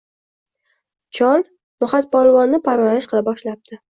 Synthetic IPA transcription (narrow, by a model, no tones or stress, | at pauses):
t͡ʃʰɒlˠ | mʊχat̪̚bɒlˠvɒnːɪpʰaɾmalɪʃqʰɨlˠabɒʃlap̚d̪̥ʰɪ